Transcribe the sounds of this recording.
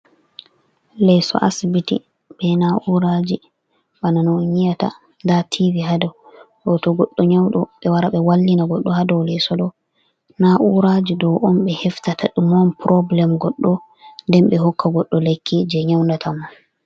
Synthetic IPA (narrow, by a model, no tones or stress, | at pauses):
lɛsɔ̰ʔasibitḭ | bɛnaʔuɾad͡ʒi | ɓananɔɲijata̰ | ndatʰiviɦadɔɗɔtɔɡɔɗːɔɲawɗɔɓɛwaɾaɓɛwalːinaɡɔɗːɔhadɔwlɛsɔdɔ | naʔuɾad͡ʒidɔwʔɔnɓɛhɛftataɗumɔnpɾɔblɛmɡɔɗːɔ | ndɛmɓɛɦɔkːaɡɔɗːɔlekʰːid͡ʒɛɲawndatʰaman